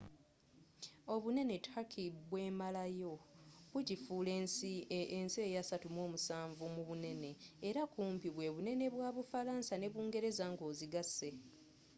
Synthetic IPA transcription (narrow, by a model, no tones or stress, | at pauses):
o̞βune̞ne̞tʰakʰibwe̞ːmalajo̞βuɟifuːlensiense̞ːjasatumo̞ːmusaːɱvumuβune̞ne̞ːɾakuːmpiβwe̞βune̞ne̞βwaːβufalaːnsane̞βuːŋɡe̞ɾe̞zaŋɡo̞ːziɡasːe̞